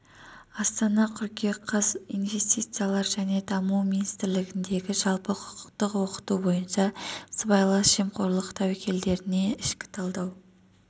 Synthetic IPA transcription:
ɑst̪ɑnɑkʲʰʏɾkʲeqʰɑzḭjnve̞st̪ijt̪sɨjalˠɑɾʒæne̞d̪ɑmuwminist̪ɪɾlɪɡʲɪnd̪e̞ɡʲɪʒɑlˠpəqʰʊ̥qʰə̥qt̪əqwo̞qə̥t̪ubo̞jənʃɑsəbɑjlˠɑʒ̥emqʰo̞ɾlˠəqt̪ʰɑwekʲe̞ld̪e̞ɾɪne̞ɪʃkʲɪ̥t̪ʰɑlˠd̪ɑw

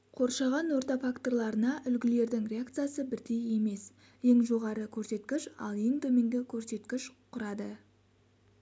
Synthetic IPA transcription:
qʰo̞ɾʃɑʁɑnwo̞ɾt̪ɑfakt̪o̞rlˠɑɾənɑʔʏlɡʲɪle̞ɾd̪ɪŋɾʲe̞akt̪sɨjasəbɪɾd̪e̞je̞me̞s | je̞ŋʒo̞ʁɑɾəkʲʰɵɾse̞t̪kʲɪʃɑ̰lˠe̞ŋt̪ʰɵme̞ŋɡʲɪkʲʰɵɾse̞t̪kʲɪʃqʰʊɾɑd̪ə

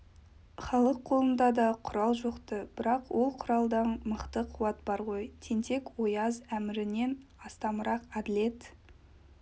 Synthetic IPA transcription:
χɑlˠəqʰːo̞lˠənd̪ɑd̪ɑqʰʊɾɑlˠʒoqt̪əb̥ɪɾɑqwo̞lˠqʰʊɾɑlˠd̪ɑɴməqt̪əqʰuwɑt̪̚bɑɾʁo̞jt̪ʰe̞nt̪e̞kwo̞jɑzæmɪɾɪne̞nɑst̪ɑməɾɑqɑd̪ɪle̞t̪

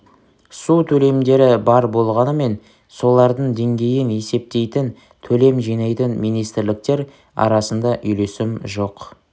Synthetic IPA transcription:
sut̪ʰɵle̞md̪e̞ɾɪbɑɾbo̞lˠʁɑnəme̞n | so̞lˠɑɾd̪əɴd̪e̞ŋɡʲe̞jɪne̞se̞p̚t̪e̞jt̪ɪn | t̪ʰɵle̞mʒijnɑjt̪ənmijnijst̪ɪɾlɪk̚t̪e̞ɾ | ɑ̰ɾɑsənd̪ɑʔʏjle̞sɪmʒo̞q

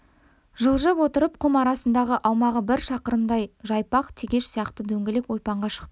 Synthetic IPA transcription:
ʒəlˠʒəpwo̞t̪əɾəp̚qʰʊmɑɾɑsənd̪ɑʁəʔɑwmɑʁəbɪɾʃɑqəɾəmd̪ɑjʒɑjpɑqt̪ʰeɡʲe̞ʃsijɑqt̪əd̪ɵŋɡʲɪle̞kwo̞jpɑɴʁɑʃə̥qt̪əə

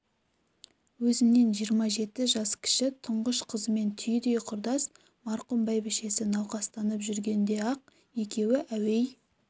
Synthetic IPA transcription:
wɵzɪmne̞nʒijəɾmɑʒe̞t̪ɪʒɑskʲʰɪ̥ʃɪt̪ʰʊɴʁəʃqʰəzəme̞nt̪ʰʏjd̪e̞jqʰʊɾd̪ɑs | mɑɾqʊmbɑjbɪʃe̞sɪnɑwqɑst̪ɑnəpʒʏɾɡʲe̞nd̪e̞ɑq̚ | je̞kʲe̞wɪʔæwe̞j

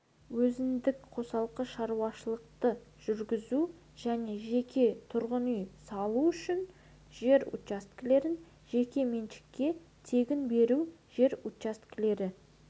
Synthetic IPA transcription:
wɵzɪnd̪ɪkqʰo̞sɑlˠqəʃɑɾuɑʃəlˠəq̚t̪əʒ̥ʏɾɡʲɪzu | ʒ̥æne̞ʒe̞kʲʰe̞t̪ʰʊɾʁənʏjsɑlˠuʏʃɪn | ʒ̥e̞ɾṵt̪t͡ʃast̪kʲɪle̞ɾɪn | ʒe̞kʲe̞menʃɪ̥kʲːe̞ | t̪ʰe̞ɡʲɪnbe̞ɾu | ʒ̥e̞ɾut̪t͡ʃast̪kʲɪle̞ɾɪ

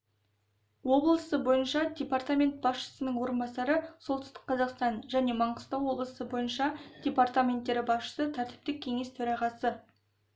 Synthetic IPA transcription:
wo̞blˠəsəbo̞jənʃɑd̪ʲe̞part̪amʲe̞nt̪̚bɑsʃə̥sənəɴwo̞ɾənbɑsɑɾəso̞lˠt̪ʏst̪ɪ̥qqʰːɑzɑqst̪ɑnʒæne̞mɑɴqəst̪ɑwwo̞blˠəsəbo̞jənʃɑd̪̥ʲe̞part̪amʲe̞nt̪ːe̞ɾɪbɑsʃə̥sət̪ʰæɾt̪ɪ̥p̚t̪ɪk̚ʲʰe̞ŋe̞st̪ʰɵɾɑʁɑsə

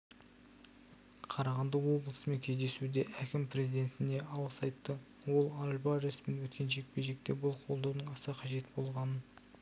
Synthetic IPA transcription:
qʰɑɾɑʁɑnd̪əwo̞blˠəsəmeŋkʲʰe̞zd̪e̞sud̪e̞ʔækʲɪmpɾe̞zijd̪e̞nt̪ɪne̞ʔɑw̪ˠəsɑjt̪ːə | wo̞lˠɑlʲbɑɾesmenwɵt̪kʲe̞nʒe̞k̚peʒe̞k̚t̪e̞bʊlˠqʰo̞lˠd̪ɑwnəɴɑsəqʰɑʒe̞t̪bo̞lˠʁɑnə

